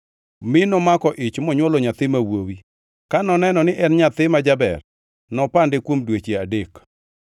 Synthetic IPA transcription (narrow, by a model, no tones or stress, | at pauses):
mɪnɔmakɔʔɪt͡ʃmɔɲwɔloɲat̪ɪmawowi | kanɔnɛnɔnɪʔɛnɲat̪ɪmad͡ʒabɛ̰r | nɔpandekwomdwet͡ʃeadek